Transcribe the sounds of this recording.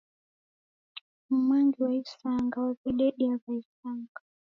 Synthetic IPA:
m̩maŋɡiwaisaŋɡawaviɗɛɗiazaisaŋɡa

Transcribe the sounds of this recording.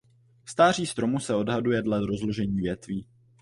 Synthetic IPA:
fst̪aːr̝iːst̪ɾo̞musɛo̞dɦadujɛdladɾo̞zloʒɛɲiːvjɛt̪viː

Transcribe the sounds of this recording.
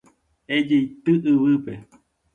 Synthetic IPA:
ed͡ʒeit̪ɨʔɨβɨpe

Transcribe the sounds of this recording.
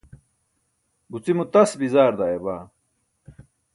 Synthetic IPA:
but͡simut̪ɐsbizaːɾd̪aːjebaː

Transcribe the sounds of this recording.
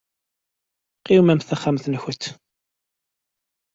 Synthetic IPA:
qiwmæmθæχæmθnçət̪ː

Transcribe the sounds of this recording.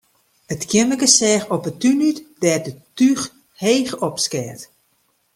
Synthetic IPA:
ətkʰjɪməɡəsɛːxɔpətynytd̥ɛːrdətyx | heːxɔpskɛt

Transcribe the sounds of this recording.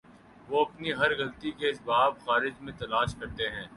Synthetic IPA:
ʋoɐpniɦɐɾɣɐlt̪ikeɪsbaːbxaːɾɪd͡ʒmẽt̪ɐlaːʃkɐɾt̪eɦɛ̃ː

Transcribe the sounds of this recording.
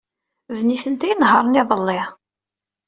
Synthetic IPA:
vniθənt̪æjnɦɑɾˤniðˤəlːɪ

